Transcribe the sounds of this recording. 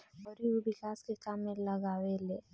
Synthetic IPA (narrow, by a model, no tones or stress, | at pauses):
bɔɾiubɪkaːskekaːmːẽlɐɡaːwele